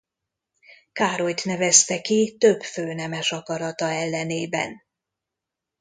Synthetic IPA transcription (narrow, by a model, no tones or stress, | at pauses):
kaːɾo̞jt̪nɛvɛst̪ɛkit̪ø̞bføːnɛmɛʃɒkɒɾɒt̪ɒɛlːɛneːbɛ̰n